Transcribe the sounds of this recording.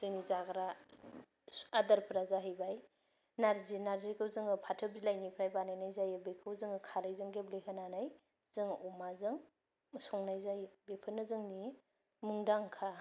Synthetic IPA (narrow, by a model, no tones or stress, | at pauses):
z̥ɯŋnizaɡɾa | adaɾpʰɾazaɦɯjbaj | naɾzinaɾzikʰɯwzɯŋɯpʰatʰɯbilajnipʰɾajbanajnajzajɯbekʰɯwzɯŋɯkʰaɾajzɯŋɡeblekʰananaj | zɯŋumazɯŋ | sɔŋnajzajbepʰɯnɯzɯŋni | mɯŋdaŋkʰa